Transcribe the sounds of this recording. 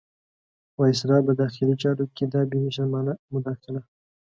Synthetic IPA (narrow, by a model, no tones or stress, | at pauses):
wɑjs̬ɾɑbəd̪ɑxɪlit͡ʃɑɾoked̪ɑbiniʃaɾmɑnamʊd̪ɑxɪla